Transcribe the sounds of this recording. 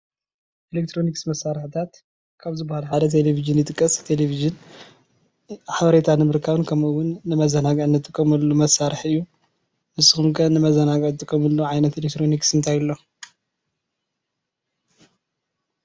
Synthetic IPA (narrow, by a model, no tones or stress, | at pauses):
ʔelek̚t̪ʰɾo̞niksmɐsaɾħɨt̪ʰat̪ | kʰaβzɨbːahalħad̪ɐt̪ʰeleviʒɨnjɨt̪ʼɨkʼːɐst̪ʰeleviʒɨn | ħaβɐɾe̞t̪ʰanɨmɨɾkʰaβɨnkʰɐmwʊnːɨmɐzɐnaɡʕɨnːɐt̪ʰʼːɨkʼːɐmɐlːumɐsaɾɨħɨjːu | mɨsɨxumkʰɐnɨmɐzɐnaɡɐʕt̪ʼɨkʼːɐmɨlːoʕajnɐt̪elekt̪ɾo̞niksɨnt̪ʰajɨlːo̞